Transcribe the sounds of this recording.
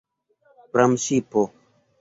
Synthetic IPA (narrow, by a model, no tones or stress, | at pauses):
pɾamsipo